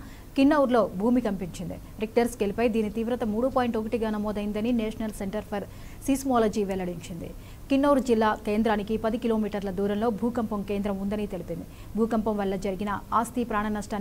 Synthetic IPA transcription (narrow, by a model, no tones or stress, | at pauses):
kinːɐwuɾlo̞ːbʱuːmikɐmpiɲt͡ʃind̪ḭ | ɾik̚ʈɐɾskelipɐjd̪iːnit̪iːʋɾɐt̪ɐmuːɽupoːjiɳʈokɐʈiɡaːnɐmɔːd̪ɐjind̪ɐnineːʂɐnɐlse̞ɳʈɐɾpʰɐɾ | siːsmaːlɐd͡ʒiːʋɛlːɐɽiɲt͡ʃind̪ḭ | kinːɐwuɾd͡ʒilːaːkeːnd̪ɾaːnikipɐd̪ikilo̞ːmiːʈɐɾlɐd̪uːɾɐmlo̞ːbʱuːkɐmpɐmke̞ːnd̪ɾɐmund̪ɐnit̪e̞lipind̪i | bʱuːkɐmpɐmʋɐlːɐd͡ʒɐɾiɡinɐaːst̪ipɾaːɳɐnɐsʈaːn